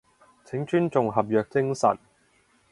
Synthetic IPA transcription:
t͡sʰɪ˨˥ŋt͡ʃyː˥nt͡sʊ˨ŋɦɐ˨p̬̚jœː˨k̚t͡sɪ˥ŋsɐ̰˨˩n

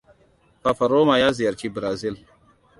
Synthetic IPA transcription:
fa˨fɐ˨ɾoː˦ma˨jaː˦zi˨jɐ˨ɾt͡ʃi˦bɾaː˨zi˦l

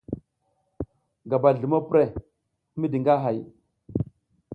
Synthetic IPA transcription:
ɡa˨ba˨ɮu˨mo˦pɾe˦˨˦ | mi˦di˨ŋɡa˦ɦa˨j

